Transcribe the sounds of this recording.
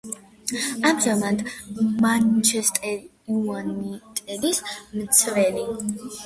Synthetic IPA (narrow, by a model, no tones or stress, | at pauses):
amʒamat̪ʰmant͡ʃʰɛst̪ʼɛ | uanit̪ʼɛlismt̪sʰvɛli